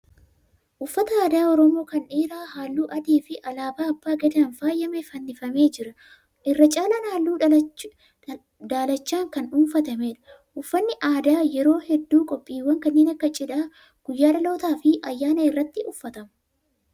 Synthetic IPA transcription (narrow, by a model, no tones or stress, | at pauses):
ʔʊfːɐt̪ɐaːd̪aːɔɾɔmo̞ːkɐneːɾaːɦaːlːuːʔɐd̪eːfɪʔɐlaːbaːɐbːaːɡɛd̪ɐnfaːjːɐmɛfɐnːɪfɐme̞ːd͡ʒɪɾɐ | ʔɪrːɐt͡ʃʼaːlɐnaːlːuː | d̪aːlɐt͡ʃːaːŋkɐnuːnfɐt̪ɐmeːᶑɐ̥ | ʔʊfːɐnːɪʔaːd̪aːjɛɾo̞ːhɛd̪ːuːkʼɔpʼːiːwːɐŋkɐnːeːnɐkːɐt͡ʃʼɪᶑ̪aː | ɡ̥ʊjːaːᶑɐlo̞ːt̪aːfɪʔɐjːaːnɐɪrːɐt̪ːɪʊfːɐt̪ɐmɐ